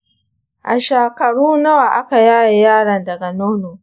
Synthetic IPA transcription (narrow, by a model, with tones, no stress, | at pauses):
ʔa˨ʃaː˨kɐ˨ɽuː˦nɐ˦wa˨ʔa˦ka˨jaː˦ja˨jaː˦ɽɐ˨ndɐ˨ɡa˨noː˦noː˨